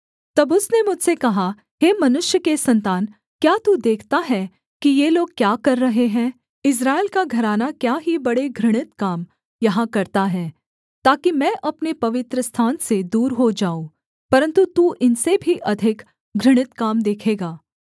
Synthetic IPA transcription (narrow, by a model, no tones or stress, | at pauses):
t̪ɐbʊsnemʊd͡ʒʱsekɐɦa | ɦeːmɐnʊʃjəkesɐ̃nt̪aːn | kjaːt̪ud̪eːkʰt̪aɦɛː | kijeːloːɡ̚kjaːkɐɾːɐɦeɦɛ̃ː | ɪs̬ɾaːɪlkaɡʱɐɾaːnakjaːɦibɐɽeɡʱɾɪɽ̃ɪt̪kaːm | jɐɦãkɐɾt̪aɦɛː | t̪aːkimɛ̃ːʔɐpnepɐʋɪt̪ɾəst̪ʰaːnsed̪uːɾɦod͡ʒaːo | pɐɾə̃nt̪ut̪uʔɪnsebʱiʔɐd̪ʱɪk | ɡʱɾɪɽ̃ɪt̪kaːmd̪eːkʰeːɡaː